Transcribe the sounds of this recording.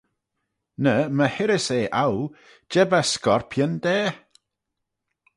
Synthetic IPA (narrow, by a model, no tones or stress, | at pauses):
nəməhɪɾɪseːʔaw | d͡ʒɛbaskɔɹpʰjənd̥̪ɛː